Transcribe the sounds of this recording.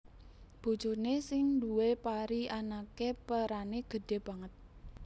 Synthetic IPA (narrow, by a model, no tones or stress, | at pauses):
b̥ṳ̥d͡ʒ̥ʊrnesɪŋduwepaɾianakepəɾaneɡ̥ə̤ɖ̥e̤b̥ä̤ŋət̪̚